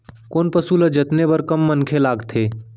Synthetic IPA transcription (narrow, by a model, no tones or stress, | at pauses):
koːnpəsuləd͡ʒət̪nebəɾkəmːənkʰelaːɡt̪ʰeː